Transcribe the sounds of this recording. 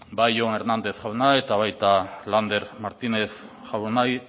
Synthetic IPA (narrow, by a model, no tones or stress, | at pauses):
bajoneɾnand̪e̞θʝawnaet̪aβajt̪aland̪e̞ɾmaɾt̪ine̞θʝawnaj